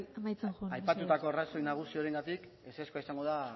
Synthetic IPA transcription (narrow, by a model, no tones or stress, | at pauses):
emajt͡senxuajpat̪ut̪ako̞araso̞jnaɣ̞usioɾe̞ŋɡat̪ik | eseskuaisaŋɡo̞ða